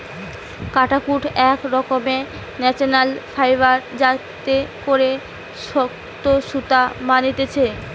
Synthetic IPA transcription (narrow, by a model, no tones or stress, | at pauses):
kaʈakuʈʰɛkɾɔkome | nɛt͡ɕonalfajbaɾd͡ʑat̪ekoɾe | ʃɔ | t̪oʃut̪amanit̪et͡ɕʰe